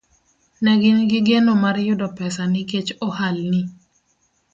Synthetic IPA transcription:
nɛɡɪnɡɪɡenomarjʊdɔpɛsaniket͡ʃɔhalni

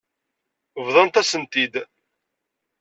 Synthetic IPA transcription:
vðˤɑnt̪æsənt̪id̪

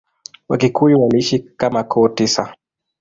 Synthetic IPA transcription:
wa̰kikuiwaliiʃikamakʰɔːtisa

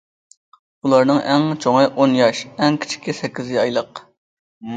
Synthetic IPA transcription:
ulˠɑɾnɨŋʔɛŋt͡ʃʰoŋəʔonjɑʃɛŋkʲʰi̥t͡ʃʰi̥kʲisɛkʲːizɪɑjlˠəq

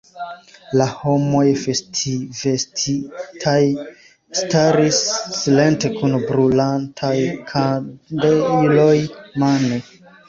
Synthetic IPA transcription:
laho̞mo̞jfestʰivestitʰaj | staɾisːile̞nte̞kunbɾulantʰajkʰadeilo̞jmane

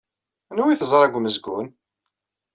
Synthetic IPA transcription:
nuwiθəzˤɾˤæɡʷməzɡun

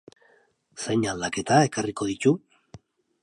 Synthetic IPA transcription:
sejɲald̪ake̞t̪ae̞kariko̞ð̞it̪u

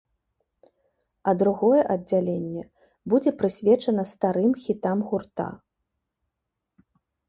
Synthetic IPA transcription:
ɐd̪ɾuɣɔjɛʔɐd͡zʲalʲenʲːɛ | bud͡zʲɛpɾɨsʲvʲɛt͡ʂɐnɐst̪aɾɨmxʲit̪amɣurt̪a̰

